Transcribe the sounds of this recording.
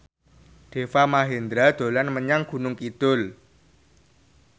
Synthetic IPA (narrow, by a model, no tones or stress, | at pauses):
ɖ̪̥e̤famaɦend̪ɾad̪̥o̤lanməɲaŋɡ̥ṳnʊŋkid̪̥ʊl